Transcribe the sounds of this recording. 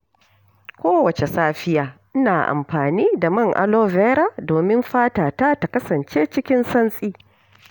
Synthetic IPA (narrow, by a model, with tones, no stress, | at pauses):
kʷoː˦wɐ˨t͡ʃe˨saː˦ɸɪ˦jaː˨ʔɪ˦naː˨ʔa̰˨mɸaː˨niː˦da˨mɐ˦ŋʔa̰˦loː˦vɛː˦ɾa˦doː˨mɪ˦mɸaː˦taː˨taː˦ta˨kɐ˦sɐ˨nt͡ʃeː˦t͡ʃɪ˦kʲɪ˦nsɐ˦nsʼiː˦